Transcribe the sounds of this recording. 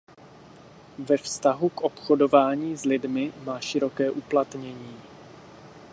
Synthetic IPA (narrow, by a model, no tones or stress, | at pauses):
vɛfst̪aɦukʔo̞pxo̞do̞vaːɲiːzlɪdmɪmaːʃɪɾo̞kɛːʔuplat̪ɲɛɲiː